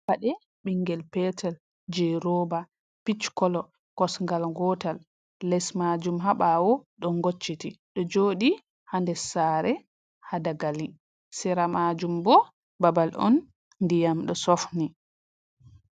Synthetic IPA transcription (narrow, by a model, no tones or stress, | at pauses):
waɗɛ | ɓiŋːɡɛlpɛtʰɛl | d͡ʒɛɾoba | pit͡ʃkɔlɔ | kɔsŋɡalŋɡɔtalː | ɛsmad͡ʒumɦaɓawɔɗɔŋɡot͡ʃːitiɗɔd͡ʒoːɗi | handɛsaɾɛ | hadaɡali | sɛɾamad͡ʒumbɔ | babalɔ̰nː | dijamɗɔsɔfni